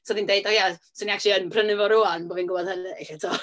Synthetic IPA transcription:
soːðindejdɔjasəniakʰlˠiənpʰrənɨvɔɾʊanboːvinɡʊbɔðhənɨɬatʰɔ

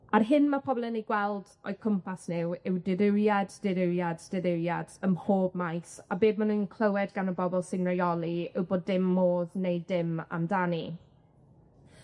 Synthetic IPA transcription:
arɦɪnmapʰɔblˠənejɡwɛlˠd | ɔ̰jkʰəmpʰasnɪwɪwdɪɾɪɾjadd̥ɪɾɪɾjadd̥ɪɾɪɾjadəmhoːb̚majsabeːd̚manunkʰl̥ˠəwɛdɡanəbɔbɔlˠsɪnrajɔlˠiəwboːdɪmːoːðnejdɪma̰mdani

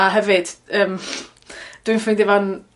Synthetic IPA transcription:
aɦɛvɨd̥əːm | d̥wɨ̃nfɪndɪvan

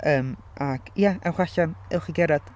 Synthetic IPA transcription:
əːm | ʔaɡ̥jaɛwχaɬanɛwχiɡɛɾad̥

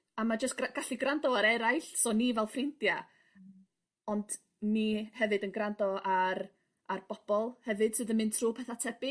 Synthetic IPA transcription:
amad͡ʒəstɡaɡ̥aɬiɡrandɔaɾɛɾajɬsɔnivɛlˠfrɪndja | ɔnd | nihɛvɨdənɡrandɔar | arb̥ɔb̥ɔlˠhɛvɨd̥sɨðənmɨntʰruːpʰɛθatʰɛb̥ɪ

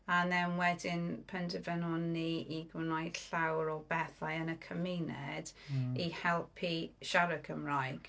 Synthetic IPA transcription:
anɛnwɛdɪnpʰɛntʰəvɛnɔnːiiɡwɪnajd̥ɬawɾɔbɛθajənəkʰəminɛd̥ihɛlˠpʰiʃaɾəkʰəmrajɡ̥

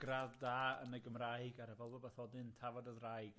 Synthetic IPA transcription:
ɡ̥raðdaːə̰nəɡəmraɨjɡaɾəvɛlˠvɔbaθɔdɨntʰavɔdəðrajɡ

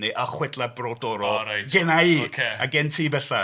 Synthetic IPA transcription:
niʔaχwɛdlˠabrɔdɔɾɔɾajɡɛnaiːkʰea̰ɡɛntʰiːbɛɬa

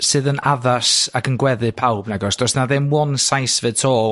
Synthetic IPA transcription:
sɨðənaðasaɡənɡwɛðɨpʰawbnɛɡɔsd̥rɔsnaðɪmwɔnsajsvɨd̚tʰɔː

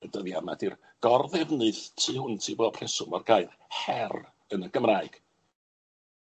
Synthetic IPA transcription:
ədəðjama̰dir | ɡ̥ɔrðɛvnɨθtʰiːhʊntʰibɔpʰr̥ɛsʊmɔrɡaɨð | hɛr | ənəɡ̥əmraːɨɡ̥

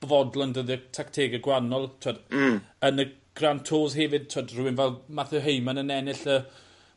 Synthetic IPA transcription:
bvɔdlˠɔndəðiətʰaktʰeːɡəɡwanɔlˠtʰwadənəɡ̥rantʰoːzɦɛvɪd̥̚tʰwadrʊwɪnvɛlˠmaθɛɦejmanənɛnɪɬə

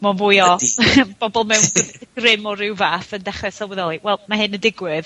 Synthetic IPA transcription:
mɔvʊjɔb̥ɔbɔlˠmɛwnɡ̥rɪmɔɾɪwvaːθəndaχrɛsalˠwɛðɔlˠiwɛlˠmaɦɨnəndɪɡwɪð

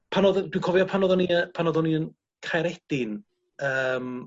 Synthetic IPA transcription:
pʰanɔðdwikʰɔvjɔpʰanɔðɔniəpʰanɔðɔniən | kʰajɾɛd̥ɪn | əm

